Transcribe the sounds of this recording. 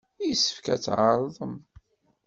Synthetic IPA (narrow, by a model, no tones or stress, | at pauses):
isə̥fkæ̰t͡sːʕəɾˤðˤəm